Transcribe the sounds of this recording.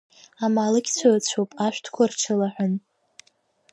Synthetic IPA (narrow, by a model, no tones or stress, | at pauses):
amalɨɡʲt͡ɕʷʰat͡ɕʷʰowpʼaʃʷᶣtʰkʷʰarʈ͡ʂʰɨlaħʷᶣʊn